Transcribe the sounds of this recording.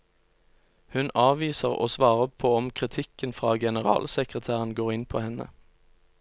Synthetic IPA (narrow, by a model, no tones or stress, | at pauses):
hʉnɑːʋiːsəʁo̰ːsʋɑːʁəpʰoːɔmkʰʁɪt̪ʰɪkənfʁɑːɡɛnəʁɑ̰ːlsɛkʁət̪ʰæːʁənɡoːʁɪnpʰo̰ːhɛnə̰